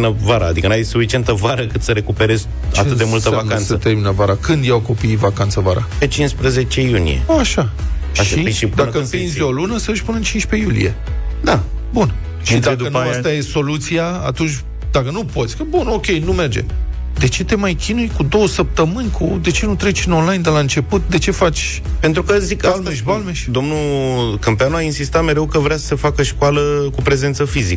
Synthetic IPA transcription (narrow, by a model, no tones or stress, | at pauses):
nəvaɾa̰ːd̪ikənuajsufit͡ʃie̞nt̪əvaɾəkɨt̪səɾe̞kupeɾe̞z | t͡ʃa̰eɨt̪d̪emult̪əvamnkant̪sət̪erminəvaɾakɨnd̪jawko̞pijvakant̪səvaɾa̰pet͡ʃinspɾəze̞t͡ʃe̞junḭjḛaʃa | ʃiid̪akəpinzʲolunəsəːʃpunɨnt͡ʃinʃpe̞julḭjed̪abun | ʃid̪ad̪ənuast̪ajeso̞lut̪sijaa̰t̪unt͡ʃʲ | d̪akənupo̞t̪sʲkəbuno̞kʲejnume̞rd͡ʒe | d̪e̞t͡ʃe̞t̪e̞majkʲinujkud̪o̞wəsəp̚t̪əmɨnʲkʰud̪e̞t͡ʃe̞nut̪ɾe̞t͡ʃʲɨno̞nlajnd̪elaɨnt͡ʃe̞put̪̚d̪e̞t͡ʃe̞fat͡ʃʲ | pe̞nt̪ɾukəzikalmeʃbalmeʃd̪o̞mnukəmpeanuainsist̪at̪me̞ɾe̞wkəvɾeasə̥sefakəʃkwaləkupɾe̞zent̪səfizikə